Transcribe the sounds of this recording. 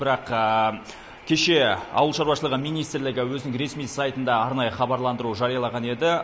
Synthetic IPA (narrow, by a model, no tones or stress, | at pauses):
bɪɾɑq | kʲʰe̞ʃe̞ɑ̰wəlˠʃɑɾwɑʃəlˠəʁəmijnijst̪ɾlɪɡʲɪwɵzɪnɪŋɾe̞smijsɑjt̪ənd̪ɑɑɾnɑjəχɑbɑɾlˠɑnd̪əɾuʒɑɾijɑlˠɑʁɑne̞d̪ɪ